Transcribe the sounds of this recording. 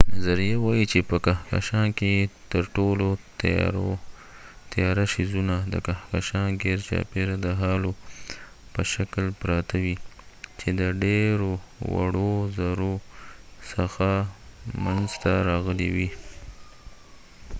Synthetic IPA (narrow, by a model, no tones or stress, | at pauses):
nazaɾijawɑjit͡ʃepəkaka̰ʃɑnket̪əɾʈolo | ɾo | t̪ajɑɾaʃizunad̪ə̰kahkaʃɑnɡeɾt͡ʃɑ̰peɾad̪əɦɑlo | pəʃaklpɾɑt̪ʰawit͡ʃed̪əɖeɾowa̰ɽozaɾo | səxamanzt̪aɾɑɣəlewi